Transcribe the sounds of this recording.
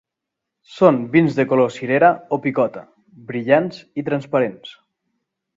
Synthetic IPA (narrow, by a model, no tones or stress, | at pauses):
sonbinzðekolosiɾeɾaopikɔt̪a | βɾiʎanzit̪ɾanspaɾens